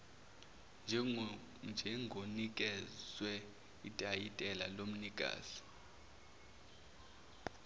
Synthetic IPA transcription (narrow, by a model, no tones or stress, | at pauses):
nd͡ʒʱ | nd͡ʒʱɛŋɡʱonikʼɛz̥wɛ | itʼajitʼɛlalom̩nikʼa̰ːzi̥